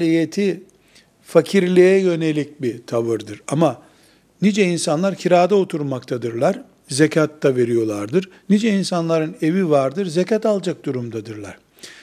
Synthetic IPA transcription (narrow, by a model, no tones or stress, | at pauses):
lijet̪ʰi | facʰiɾlʲijɛjø̞ne̞lʲic̚bit̪ʰavɯɾd̪ɯɾama | nid͡ʒɛinsanlˠaɾcʰiɾaːd̪aot̪ʰuɾmakt̪ʰad̪ɯɾlˠaɾ | zecʰat̪ːave̞ɾijo̞lˠaɾd̪ɯɾnid͡ʒɛinsanlˠaɾɯne̞vivaɾd̪ɯɾzecat̪alˠd͡ʒak̚d̪̥uɾumd̪ad̪ɯɾlˠa̰ɾ̥